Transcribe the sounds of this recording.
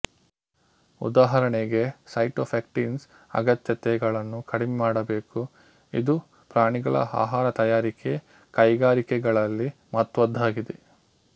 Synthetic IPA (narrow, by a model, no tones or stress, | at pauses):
ṵd̪aːɦɐɾɐɳeɡe̞sɐjʈoːpʰek̚ʈiːns | ɐ̰ɡɐt̪jɐt̪ɛɡɐɭɐnːukɐɽɛmɛmaːɽɐbe̞ːku | id̪u | pɾaːɳiɡɐɭɐ̰a̰ːɦaːɾɐt̪ɐjaːɾike̞ | kɐjɡaːɾikɛɡɐɭɐlːimɐt̪ʋɐd̪ʱːaːɡid̪e